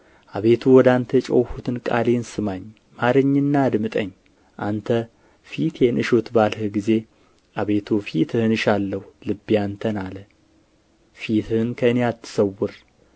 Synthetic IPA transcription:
ʔaβe̞t̪ʰuwɔd̪ant̪ʰət͡ʃʼo̰whut̪ʰɨnkʼa̰lensɨmaɲ | maɾəɲːɨnːad̪mɨt̪ʼəɲː | ʔant̪ʰə | fit̪jɛnʔɨʃot̪balhɨɡize̞ | ʔaβe̞t̪ʰufit̪ʰɨhɨnɨʃalːəhulɨbːijant̪ʰənalə | fit̪ʰɨɨnkʰəɨnejat̪ʰːɨ̥səwːʊɾ

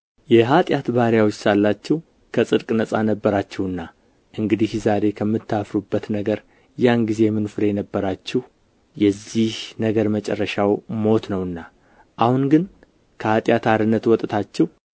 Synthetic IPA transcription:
jɛɦat̪ʼjat̪baɾjawot͡ʃːsalːat͡ʃːɛhw | kʰəsʼɨd̪kʼnəsʼanəbːəɾat͡ʃːɛhɨnːa | ʔɨŋɡɨd̪ihzaɾe̞kʰəmːɨt̪ːafɾubːət̪nəɡəɾ | janɡize̞mɨnfɨɾejɛnəbːəɾat͡ʃːɛh | jɛzːihnəɡəɾmət͡ʃʼɛ̰rːəʃawmo̞t̪nəwɨnːa | ʔahunɡɨn | kʰəhat̪ʼjat̪ʰaɾɨnːət̪wɔt̪ʼt̪ʰat͡ʃːɛh

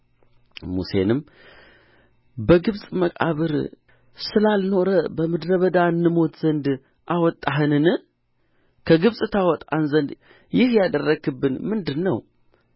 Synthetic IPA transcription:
mṵse̞̰nɨm | bəɡɨβsʼməkʼa̰βɨɾ | sɨlalno̞ɾəbəmɨd̪ɾəβəd̪aɨnːɨmo̞t̪z̥ənd̪ | ʔawɔt̪ʼːaɦɨnɨnɨ | kʰəɡɨβsʼɨt̪ʰawɔt̪ʼa̰nzənd̪ | jɪhjad̪ərːəɡɨbːɨnmɨnd̪ɨnːəw

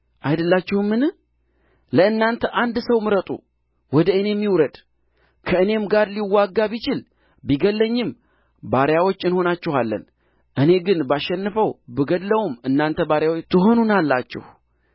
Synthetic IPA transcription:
ʔajd̪əlːat͡ʃːɛhmːɨnɨ | ləɨnːant̪ʰəʔand̪səwmɨɾət̪ʼṵ | wɔd̪əɨneɛmːiwɾəd̪ | kʰəɨne̞mɡaɾliwːaɡːaβit͡ʃɪl | biɡəlːəɲːɪm | baɾjawo̞t͡ʃːɨnho̞nat͡ʃːɛhalːə̰n | ʔɨne̞ɡɨnbaʃɛnːɨfəwbəɡəd̪ləwumɨnːant̪ʰəbaɾjawot̪ʰɨɦo̞nunalːat͡ʃːɛ̰h

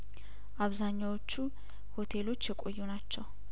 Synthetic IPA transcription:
ʔaβzaɲːawot͡ʃːu | ho̞t̪ʰelo̞t͡ʃːjɛkʼojːunat͡ʃːɛw

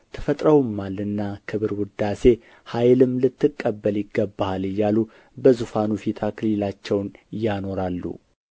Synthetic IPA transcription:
t̪ʰə̥fət̪ʼɾəwmːalɨnːakʰɨβɨɾwʊd̪ase̞ | hajlɨmlɨt̪ːɨkʼːəbːəljɪɡːəbːalɨjːalu | bəzufanufit̪ʰakʰɨlilat͡ʃːɛwnjano̞ɾalːṵ

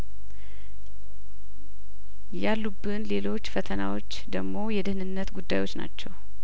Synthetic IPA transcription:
jalːubːɨnle̞lo̞t͡ʃːfət̪ʰəna̰wo̞t͡ʃːd̪əɡmo̞jɛd̪ɨhnɨnːət̪ɡud̪ːajwo̞t͡ʃːna̰t͡ʃːɛw

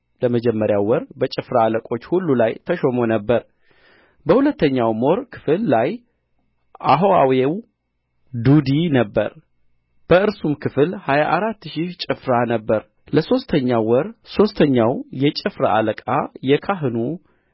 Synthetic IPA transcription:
ləməd͡ʒɛmːəɾjawwɔɾbət͡ʃʼɪfɾaːləkʼo̞t͡ʃːhulːulajt̪ʰəʃo̞mo̞nəbːəɾ | bəhulət̪ʰːəɲːawmo̞ɾkʰɨ̥fɨlːaj | ʔaɦoawew | d̪ud̪inəbːə̰ɾ | b̥əɨɾsumkʰɨfɨlhajaʔaɾat̪ːʃit͡ʃʼɪfɾanəbːəɾ | ləso̞st̪ʰəɲːawɔɾso̞st̪ʰəɲːawjɛt͡ʃʼɪfɾa̰ʔa̰ləkʼajɛkʰaɦɨnu

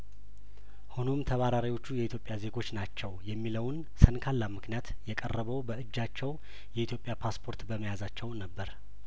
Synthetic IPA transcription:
hunomt̪ʰəβaɾaɾiwo̞t͡ʃːujɛʔit̪ʰjo̞pʼːjaze̞ɡo̞t͡ʃːnat͡ʃːɛwjɛmːiləwn | sənkʰalːamɨknijat̪jɛkʼərːəβəwbəɨd͡ʒːat͡ʃːɛw | jɛʔit̪ʰjo̞pʼjapʰaspʰo̞ɾt̪bəməjazat͡ʃːɛwnəbːəɾ

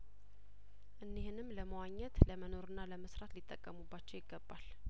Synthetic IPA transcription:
ʔɨnːihɨnɨmːləməwaɲːɛt̪ləməno̞ɾɨnːaləməsɾat̪lit̪ʼːəkʼːəmubːat͡ʃːɛwjɪɡːəbːal

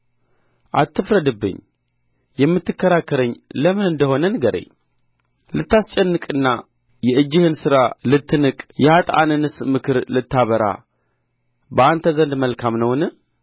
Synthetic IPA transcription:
ʔat̪ʰːɨfɾəd̪ɨbːɨ̰ɲː | jɛmːɨt̪ːɨkːəɾakːəɾəɲːləmɨnɨnd̪əho̞nənɨɡəɾḛɲ | lɨt̪ːast͡ʃʼɛnːɨkʼɨnːa | jɛɨd͡ʒːɪhɨnsɨɾalɨt̪ʰːɨnɨkʼjɛhat̪ʼa̰nɨnɨsmɨkʰɨɾlɨt̪ːaβəɾa̰ | bəant̪ʰəzənd̪məlkʰamnəwnɨ

